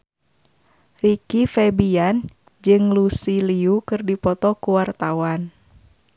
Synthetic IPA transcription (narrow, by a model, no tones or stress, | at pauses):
rikifɛbian | d͡ʒɨŋlusiliukɨrdipɔt̪ɔkuwart̪awan